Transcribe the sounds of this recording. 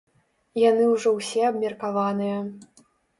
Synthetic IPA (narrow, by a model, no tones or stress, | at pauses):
janɨwʐɔwsʲɛɐbmʲɐrkavanɨjɐ